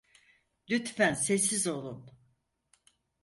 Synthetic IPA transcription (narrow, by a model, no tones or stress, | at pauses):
lʲyt̪fænsesːizo̞lˠun